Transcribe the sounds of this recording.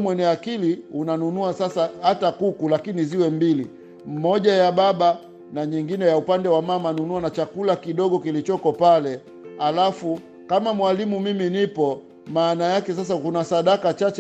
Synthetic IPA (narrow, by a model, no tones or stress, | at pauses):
mwɛniakiliunanunuasasahatakukulakiniziwɛmbili | m̩mɔʄajabaɓa | naɲiŋɡinɛjaupandɛwamamanunuanat͡ʃakulakiɗɔɡɔkilit͡ʃɔkɔpalɛ | halafu | kamamwalimumiminipɔ | maːnajakɛsas̬akunasaɗakat͡ʃat͡ʃ